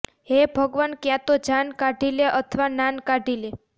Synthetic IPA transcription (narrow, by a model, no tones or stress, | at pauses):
ɦebʱəɡʋənkjãt̪od͡ʒankaɖʱileʔət̪ʰʋanankaɖʱile